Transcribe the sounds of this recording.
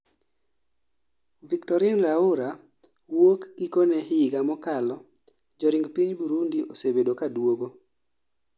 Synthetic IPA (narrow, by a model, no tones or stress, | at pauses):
viktɔɾɪnlaʊɾa | wokikonɛhɪɡamɔkalɔ | d͡ʒɔɾɪŋɡpiɲbuɾundiʔosebedokadwoɡo